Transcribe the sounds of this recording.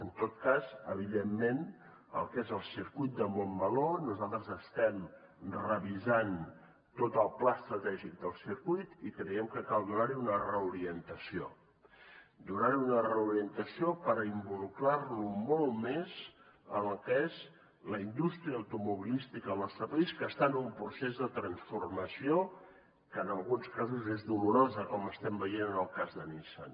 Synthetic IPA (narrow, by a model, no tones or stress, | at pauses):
ənt̪ot̪kazəβ̞iðemːen | ə̰lˠkezəlˠsiɾkujt̪̚d̪əmombəlonuzalˠt̪ɾəzəst̪ɛm | rəβizan | t̪ot̪əlˠplaəst̪ɾət̪ɛʒik̚d̪əlˠsiɾkujt̪ikɾəiɛmkəkalˠd̪unaɾiunərəuɾiənt̪əsio | d̪unaɾiunərəuɾiənt̪əsiopəɾimbuluklarlumolˠmez | əməlˠkəez | ləind̪ust̪ɾiəəwt̪umuβilist̪ikələst̪ɾəp̪iskəst̪anumpɾusezðət̪ɾənsfurməsio | kəːnəlˠɣunskazuzezðuluɾozəkɔməst̪ɛmbəjenənəlˠkazðənisə̰n